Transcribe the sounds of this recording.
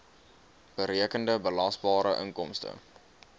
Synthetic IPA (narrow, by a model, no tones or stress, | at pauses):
b̥əɾiəkəndəbəlɐsbɑːɾəʔə̰ŋkɔmstə̰